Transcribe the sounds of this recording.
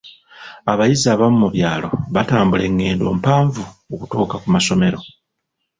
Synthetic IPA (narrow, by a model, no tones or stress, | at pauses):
aβajizaβamumuβjaːlo̞̰βataːmbule̞ŋːe̞ːndo̞̰ːmpaːɱvuokutuːkakumaso̞me̞ɾo̞